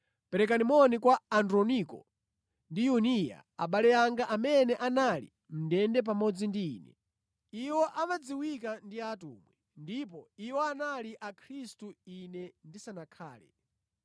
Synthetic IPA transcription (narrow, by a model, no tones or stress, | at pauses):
pɛɾɛk̬animɔnikwaandɾɔnikɔ̰ | ndijunija̰a̰ɓalɛjaŋɡaʔamɛnɛʔanalḭ | m̩dɛndɛp̬amɔd͡zindḭːnɛ̰ | iwɔʔamad͡ziwikandiatṵːmwɛ | ndipɔiwɔanaliʔakʰɾistuinɛndisanakʰaːlɛ